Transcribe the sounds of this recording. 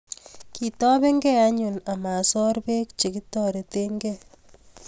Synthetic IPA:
ki˨tɔ˦bɛ˦ŋɡɛ˦a˦ɲʊ˨na˨ma˨sɔ˦ɾbe˦k̚t͡ʃe˨ki˦tɔ˦ɾe˨te˦ŋɡɛ

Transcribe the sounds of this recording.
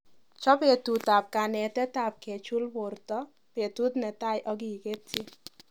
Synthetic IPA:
t͡ʃɔ˦pe˨t̪u˨ta˨p̚ka˨nɛ˨tɛ˦ta˨p̚ke˨t͡ʃu˦lbo˨ɾt̪ɔ˦ | pe˨t̪u˦d̪nɛ˨ta˦˨jʔɔ˦ɡiː˨ɡe˦tːi˦

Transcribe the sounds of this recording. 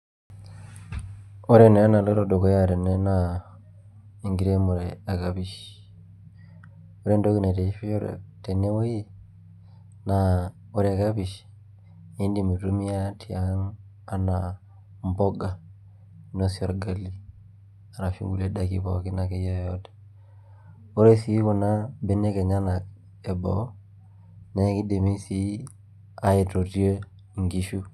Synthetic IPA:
o˦ɾe˦ne˨a˦na˨lo˦ɾo˨do˨ko˨˦ja˦˨te˨ne˦na˦˨ | i˨ŋɡi˨ɾe˦mo˨ɾe˨a˨ka˦bi˨ʃ | o˦ɾe˦ndo˦ki˦ne˨te˨i˦fi˦o˦ɾḛ˨te˨ne˦wo˦ji˦ | na˨ | o˦ɾe˨ka˦bi˨ʃ | i˦ndi˨mu˨tu˦mi˦a˦ti˨a˦ŋ | a˦na˨ | m˦bo˦ɡa˨ | no˦si˦o˨ɾɡa˦li˦ | a˨ɾa˨fḭ˦ŋɡṵ˨le˦da˨kḭ˨bo̰˨ki˦na˨ke˦jo˦˨jo˦te̥˨ | o˦ɾe˦si˨˦ku˨na˦be˦ne˦ke˨ɲa˦na˨k | e˨bo̰˨˦ | na˦ki˦de˨me˦si˦ | a˦je˨to˨ti˦o˦˨ | ŋɡi˨ʃu˦

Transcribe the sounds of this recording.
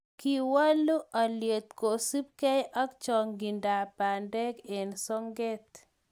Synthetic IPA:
ki˨wa˦lu˦ʔa˨lje˨t̪̚ko˨si˦p̚kɛ˦jʔa˦kt͡ʃɔ˨ŋɡi˨nda˨pa˨ndɛ˦ke˨nsɔ˦ŋɡe˦t̪

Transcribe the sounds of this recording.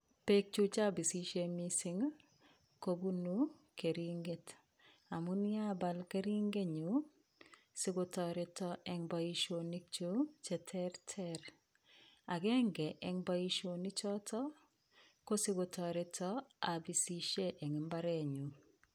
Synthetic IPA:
pe˦k̚t͡ʃu˦t͡ʃa˦bi˨si˦ʃe˦misɪ˦ŋ | ko˦bu˦nu˦ke˨ɾiŋɡe˦t | a˨mu˦ni˦a˦ba˨lke˦ɾi˦ŋɡe˦ɲu˨ | si˦ɡotɔ˨ɾɛ˦tɔʔɛ˨ŋba˨i˦ʃo˨ni˦k̚t͡ʃu˦t͡ʃɛ˨tʰɛ˦ɾtʰɛɾ | a˨ɡɛ˦ŋɡɛ˨ʔɛ˨ŋba˦i˦ʃo˨ni˦t͡ʃɔ˦tɔ˦ | ko˦si˦ɡo˨tɔ˨ɾɛ˦tʰɔ˦a˨bi˨si˦ʃe˦ʔɛ˨ŋɪ˨mba˦ɾɛ˨ɲu˨

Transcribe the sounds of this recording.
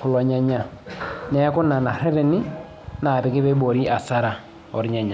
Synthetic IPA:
kʊ˨lɔ˨ɲa˨ɲa˨ | nɛ˦kʊ˦na˨na˨ɾɛ˦ɾe˨nɪ˦ | na˨ɾɪ˨kɪ˦bɛ˦bo˨ɾi˦ʔa˨sa˦ɾa˨ | ɔ̰˨ɾɲa˨ɲa˨

